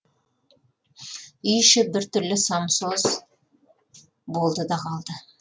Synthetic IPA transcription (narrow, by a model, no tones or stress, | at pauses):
ʏjʃɪbɪɾt̪ʰʏɾlɪsɑmsoz | bo̞lˠd̪əd̪ɑqʰɑlˠd̪ə